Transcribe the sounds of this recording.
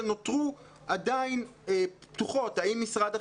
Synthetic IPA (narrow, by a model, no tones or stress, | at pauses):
no̞t̪ʁu | adainept̪uχo̞taimːisʁada